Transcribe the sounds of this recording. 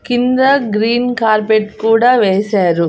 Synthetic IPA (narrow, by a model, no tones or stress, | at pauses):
kind̪ɐɡɾiːnkaːɾpeʈkuːɽaːʋeːsaːɾu